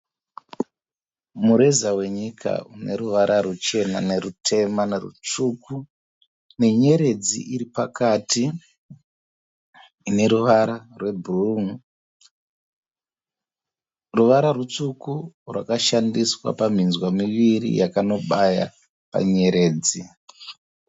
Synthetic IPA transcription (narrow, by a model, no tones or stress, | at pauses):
muɾezawe̞ɲikʰa̰une̞ɾuʋaɾʔarut͡ʃe̞na̰ne̞rutʰe̞manerṵt͡ʂuku | ne̞ɲe̞ɾe̞d͡zḭiɾipakati | ne̞ɾuʋaɾarwe̞bʱruŋ | ruʋaɾarut͡sukurwʔakaʃandiswa̰pam̤inzwamiʋiɾḭjakano̞ɓaja̰ | pa̰ɲe̞ɾe̞ːd͡zi